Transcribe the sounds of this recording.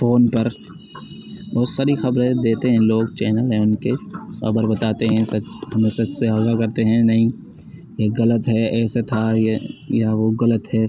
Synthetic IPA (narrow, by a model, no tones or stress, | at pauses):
foːnpɐɾ | ʋoːsɐɾixɐbɾed̪eːt̪eɦɛ̃loːɡt͡ʃɛːnəlɦɛ̃ʊnkexɐ̰bəɾbɐt̪aːt̪eɦɛ̃sɐd͡ʒhɐmẽsɐd͡ʒseaːɡakɐɾt̪eɦɛ̃nɐɦĩ | jeɣɐlət̪ɦɛɛːset̪ʰajjaʋoɣɐlət̪ɦɛː